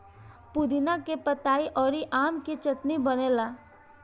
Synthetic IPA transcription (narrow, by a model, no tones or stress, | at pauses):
pud̪inakepət̪aːiʔɔːɾiʔaːmkit͡ʃət̪nibəneːlaː